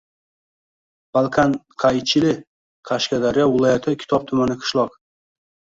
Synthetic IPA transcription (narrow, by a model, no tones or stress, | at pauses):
b̥alˠkʰanqʰajt͡ʃʰɪlɪ | qʰaʃkʲad̪aɾɪjɒvɪlˠɒjat̪ʰɪkʲʰɪ̥t̪ʰɒb̚t̪ʰʊmanɪqʰɨ̥ʃlˠɒq